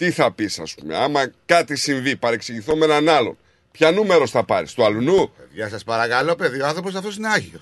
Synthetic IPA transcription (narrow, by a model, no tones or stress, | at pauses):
t̪iθɐpisɐ̰spume̞̰ɐmɐkɐt̪isiɱvipɐɾe̞ksiʝiθo̞menɐnɐlo̞̰n | pçɐnume̞ɾo̞sθɐpɐɾḭst̪uɐlunupeðʝɐsɐspɐɾɐkɐloope̞ðioɐnθɾopos̬ɐft̪osineɐʝio